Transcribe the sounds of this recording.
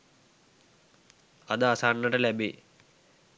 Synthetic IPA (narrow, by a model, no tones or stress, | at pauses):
ɐd̪əasaːɳːəʈəlæbe